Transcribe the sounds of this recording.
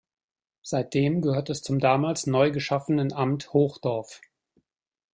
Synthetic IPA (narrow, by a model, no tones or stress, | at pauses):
z̥aɪt̚d̥eːmɡəhøːɐtɛst͡sʊmdaːmaːlsnɔʏɡəʃafənənʔamthoːxd̥ɔɐf